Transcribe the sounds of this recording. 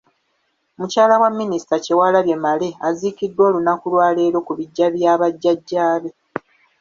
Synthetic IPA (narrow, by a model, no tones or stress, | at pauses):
mucaːlawamːinisi̥tacewalaβje̞male̞azikidːwo̞ːlunakulwaːle̞ːɾo̞kuβiɟːaβjaːβaɟːaɟːaːβe